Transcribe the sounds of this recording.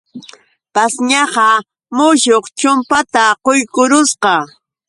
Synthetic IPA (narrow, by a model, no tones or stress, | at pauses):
pasɲɑɢɑ | mʊʃoqt͡ʃʊmpat̪aqojkʊɾʊsqɑ